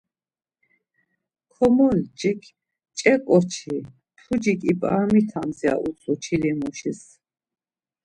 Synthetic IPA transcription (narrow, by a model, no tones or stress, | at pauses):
kʰɔmɔld͡ʒikʰ | t͡ʃʼɛkʼɔt͡ʃʰi | pʰud͡ʒikʼipʼa̰ːmit̪ʰamzia̰ʔut͡sʰut͡ʃʰilimuʃis